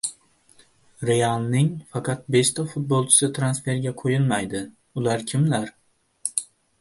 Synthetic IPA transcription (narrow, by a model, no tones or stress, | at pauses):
ɾejalnɪŋfɑqʰɑt̪̚be̞st̪ʰafʊt̪̚bolˠt͡ʃʰɪ̥sɪt̪ʰɾansfe̞ɾɡʲaqʰojɪlmajd̪ɪ | ʊlaɾkʲʰɪmlaɾ